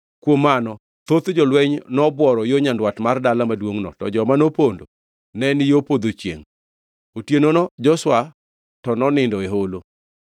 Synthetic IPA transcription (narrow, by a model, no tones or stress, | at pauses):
kwomːanɔ | t̪ot̪d͡ʒɔlwɛɲnɔbwɔɾɔjoɲandwatmardalamadwoŋnɔ̰tɔ̰d͡ʒɔmanopondo | nɛnɪjopod̪ot͡ʃjḛŋ | otjenonɔd͡ʒɔswa | tɔnɔnɪndɔeɦolo